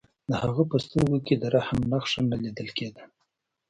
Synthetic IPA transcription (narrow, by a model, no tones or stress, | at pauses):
d̪əhaɣəpəst̪əɾɡoked̪əɾahamnaxʂamnalid̪əlked̪ə